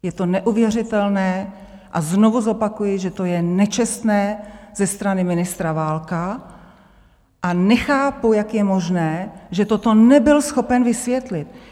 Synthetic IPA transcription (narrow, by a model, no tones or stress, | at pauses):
jɛt̪onɛʔuvjɛrɪt̪ɛlnɛː | ʔazno̞vuzo̞pakujɪʒɛt̪o̞jɛnɛt͡ʃɛst̪nɛːz̥ɛst̪ɾanɪmɪnɪst̪ɾavaːlka | ʔanɛxaːpujakjɛmo̞ʒnɛːʒɛt̪ot̪o̞nɛbɪlsxo̞pɛnvɪsvjɛt̪lɪt̪̚